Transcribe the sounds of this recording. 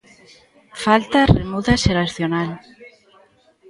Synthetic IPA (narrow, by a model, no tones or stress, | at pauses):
falt̪aremuðaseɾaθjonal